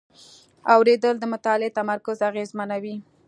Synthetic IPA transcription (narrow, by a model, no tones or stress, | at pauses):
awɾed̪əld̪əmʊt̪ɑlet̪amaɾkʊzaɣezmanawi